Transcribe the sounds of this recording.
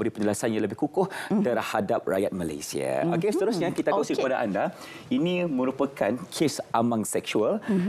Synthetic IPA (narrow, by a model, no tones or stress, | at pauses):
əɾipə̃ɲd͡ʒəlasanjaləbɪhkukʊht̪ərhadap̚ra̰jat̪̚mala̰jsḭa̰okesət̪əɾʊsɲakit̪akasikəpadaʔanda | inĩmə̃ɾupakʰankʰesʔamaŋsɛksual